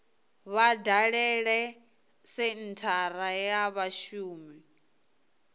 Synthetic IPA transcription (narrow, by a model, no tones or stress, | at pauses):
βadaɺɛɺɛ | sɪn̩tʰaɾajaβaʃuːmi